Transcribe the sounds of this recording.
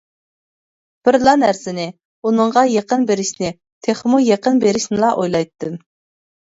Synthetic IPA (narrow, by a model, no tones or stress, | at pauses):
b̥ɪɾlˠɑnæɾsɪnɪ | unɨɴʁɑjeqənbeɾɪʃnɪ | t̪ʰeχmujeqənbeɾɪʃnɪlˠɑʔojlˠɑjt̪ʰːɨm